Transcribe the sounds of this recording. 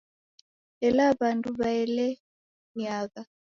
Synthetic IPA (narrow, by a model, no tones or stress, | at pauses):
ɛlaβandʼuβaɛlɛ | ɲaːka